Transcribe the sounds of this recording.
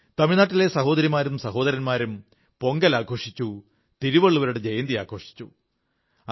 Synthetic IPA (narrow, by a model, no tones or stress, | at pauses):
t̪ɐmiɻnaːʈːile̞sɐɦo̞ːd̪ɐɾimaːɾumsɐɦo̞ːd̪ɐɾɐnmaːɾum | po̞ŋɡɐlaːkʰo̞ːʂit͡ɕːu | t̪iɾuʋɐɭːuʋɐɾuɽed͡ʑɐjɐnd̪ija̰ːkʰo̞ːʂi̥t͡ɕːu